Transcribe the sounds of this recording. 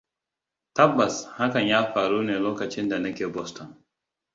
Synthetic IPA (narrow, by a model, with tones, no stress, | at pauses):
tɐ˦bːa˨sha˦kɐ˨njaː˦ɸaː˨ɾuː˦neː˨loː˦kɐ˨t͡ʃɪ˦nda˨nɐ˦kʲeː˨bɔ˦stɔ˨n